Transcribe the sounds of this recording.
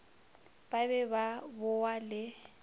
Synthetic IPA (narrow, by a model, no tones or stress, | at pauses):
b̥abɛbabʊwalɪ